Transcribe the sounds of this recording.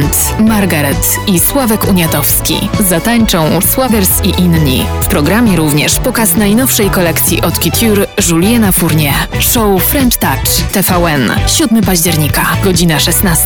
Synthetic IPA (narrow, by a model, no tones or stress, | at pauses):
nt̪ | maɾɡaɾɛt̪ | iswavɛkuɲat̪ɔfskʲḭzat̪aɲt͡ʂɔ̃w̃swavʲɛɾsiʔinɲḭfpɾɔɡɾamʲjɛɾuvɲɛʂpɔkasnajnɔfʂɛjkɔlɛkt̪sʲjḭʔɔt̪kʲit̪ʲʰuɾʐulʲjɛnafuɾɲɛʂɔwfɾɛnt̪t̪at͡ʂt̪ɛfawɛnɕud̪mɘpaʑd͡ʑɛɾɲikaɡɔd͡ʑinaʂɛsnast̪